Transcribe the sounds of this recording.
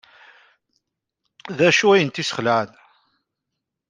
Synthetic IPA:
ðæʃuæjənt̪isə̥χlæn

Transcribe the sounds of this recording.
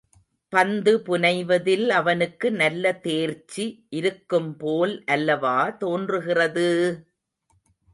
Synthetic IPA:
pɐnd̪ɯpʊnɐɪʋɐðɪlɐʋɐnɯkːɯnɐlːɐt̪eːɾt͡ʃːiʔɪɾɯkːɯmpoːlʔɐlːɐʋaːt̪oːndrɯɣɪrɐðɯ

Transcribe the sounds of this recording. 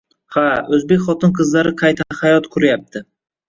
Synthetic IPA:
haɵzbe̞kʲχɒt̪ɪnqʰɨzlaɾɪqʰɑjt̪ʰahajɒt̪kʰʊɾajap̚t̪ʰɪ

